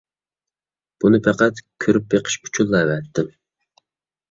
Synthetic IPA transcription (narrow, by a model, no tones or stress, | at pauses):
b̥unɨpʰɛqæt̪kʲʰøɾyp̚beqʰə̥ʃu̥t͡ʃʰulˠːɛwɛt̪ʰːɪm